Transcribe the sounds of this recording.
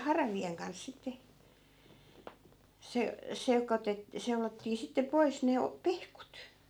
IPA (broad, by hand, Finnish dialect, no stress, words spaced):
hɑrɑʋieŋ kɑns sitːe se sekotet seulotːiː sitːe pois ne o pehkut